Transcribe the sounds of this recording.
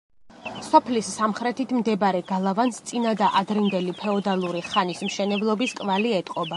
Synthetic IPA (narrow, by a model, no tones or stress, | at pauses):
sɔpʰlisːamχɾɛt̪ʰit̪ʰmd̪ɛbɾɛɡalˠavanst̪sʼinad̪aʔad̪ɾind̪ɛlipʰɛɔd̪alˠuɾiχanismʃɛnɛblˠɔbiskʼvaliɛt̪ʼqʼɔba